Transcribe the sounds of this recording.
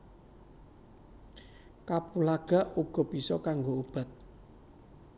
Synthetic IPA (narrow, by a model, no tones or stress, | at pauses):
kapulaɡ̥a̤ʔuɡ̥ɔ̤b̥isɔkaŋɡoub̥a̤t̪̚